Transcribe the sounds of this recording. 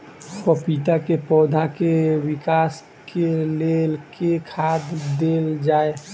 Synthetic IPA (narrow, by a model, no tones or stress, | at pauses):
kɔpit̪akepɔːd̪ʱakewikas | kelelkekʰad̪d̪eld͡ʒaːe